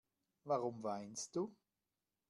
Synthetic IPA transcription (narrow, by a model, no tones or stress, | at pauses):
vaʁʊmvaɪnst̚d̥uː